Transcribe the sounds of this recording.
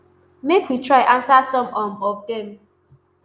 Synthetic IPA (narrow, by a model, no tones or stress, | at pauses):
mekwitʰɹaɪʔãnsasɔ̃mɔmɔvdɛ̃m